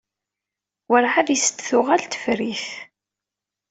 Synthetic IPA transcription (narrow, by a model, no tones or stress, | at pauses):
wəɾħavisə̥t̪θʊʁalt̪ə̥fɾiθ